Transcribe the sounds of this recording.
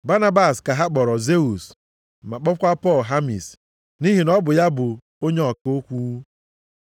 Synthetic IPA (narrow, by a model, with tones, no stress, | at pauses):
ba˦na˦ba˨ska˨ɦa˦k͡pɔ˨ɾɔ˨ze˦u˨s | m̩˨ma˨k͡pɔ˦kʷa˦pɔ˦˨lɦa˦mḭ˨s | ni˦ɦi˨nɔ˦bʊ˨ja˦bʊ˨ | o˦ɲe˦ɔ˨ko˦kʷu˦